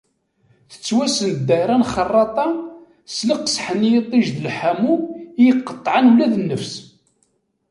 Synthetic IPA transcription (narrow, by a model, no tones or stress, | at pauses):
θə̥t͡sːwæsənd̪ːæɾˤænχərˤːɑt̪ˤɑ | sləqsħənjit̪ˤːiʒðəlħamujəqːə̥t̪ˤːʕanulæðənːəfs